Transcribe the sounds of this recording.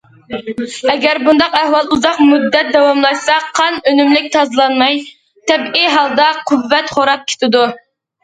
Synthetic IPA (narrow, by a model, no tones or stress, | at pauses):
ɛɡʲæɾbund̪ɑqæhwɑlˠuzɑqmud̪ːɛt̪̚d̪ɛwɑmlˠɑjsɑqʰɑnønymlɪk̚ʲt̪ʰɑzɨlˠɑnmɑj | t̪ʰɛbiɦɑlˠd̪ɑqʰʊvːɛt̪χoɾɑp̚kʲʰe̥t̪ʰɪd̪u